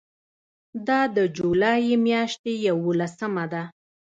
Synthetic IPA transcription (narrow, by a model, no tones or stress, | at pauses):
d̪ɑd̪əd͡ʒulɑjimjɑʃt̪ejawolasəmad̪a